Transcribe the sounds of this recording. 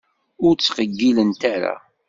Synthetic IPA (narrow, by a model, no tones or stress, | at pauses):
ʊɾt͡sːqəɡːilənt̪aɾa̰